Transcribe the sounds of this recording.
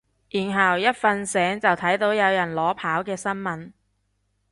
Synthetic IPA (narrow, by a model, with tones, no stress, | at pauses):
jiː˨˩nɦɐ˨˩wjɐ˥t̚fɐ˧nsɛː˨˥ŋt͡sɐ˨wt̪ʰɐ˨˥jt̪o˨˧˥wjɐ˨˧wjɐ˨˩nlɔː˨˥pʰaː˨˥wkɛː˧sɐ˥nmɐ˨˧n